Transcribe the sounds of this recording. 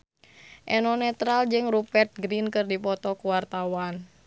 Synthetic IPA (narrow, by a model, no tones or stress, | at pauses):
ʔɛnɔnɛt̪ɾald͡ʒɨŋrupɛrt̪̚ɡɾinkɨrdipɔt̪ɔkuwart̪awan